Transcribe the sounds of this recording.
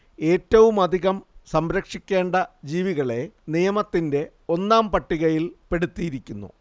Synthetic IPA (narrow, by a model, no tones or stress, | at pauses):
e̞ːtːɐʋumɐd̪ʱiɣɐmsɐmɾɐkʂikʲːe̞ːɳɖɐd͡ʑiːʋiɣɐɭe̞nijɐmɐt̪ːinde̞ | o̞nːaːmpɐʈːiɣɐjilpe̞ɽut̪ːijiɾikʲːunːṵ